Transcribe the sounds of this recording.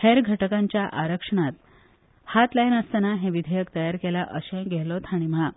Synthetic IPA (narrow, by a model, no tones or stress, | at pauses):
heɾɡʱəʈəkãɲt͡ɕjaʔaɾəkʂəɳ̃at̪ | hat̪ləinəst̪anaɦẽʋid̪ʱejəkt̪əjaɾkelaʔəɕẽɡʱeɛlɔt̪ʰaɽ̃ima